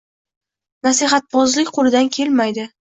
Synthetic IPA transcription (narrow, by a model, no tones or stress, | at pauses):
nasiɦat̪̚bɒzlɪkʲqʰolɪd̪ankʲʰe̞lmajd̪ɪ